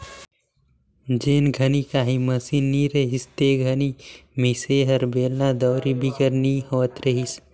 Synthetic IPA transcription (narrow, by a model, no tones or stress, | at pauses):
d͡ʒeːnɡʱɐnikaːɦiməsinːiɾeɦist̪eɡʱɐnimiseɦəɾbeːlnad̪ɔːɾibʱikəɾnihoːət̪ɾɐɦis